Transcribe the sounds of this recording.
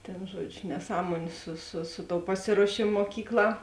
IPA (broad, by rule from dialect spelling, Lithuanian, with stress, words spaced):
tʲeːn ˈʒuɔd͡ʒʲʊ nʲɛˈsɑːmuɔnʲʊ sʊ sʊ ˈsʊ ˌtoːʊ ˈpɑːsʲɪruɔʃʲeːmoː muɔˈkʲiːkˌlˠɑː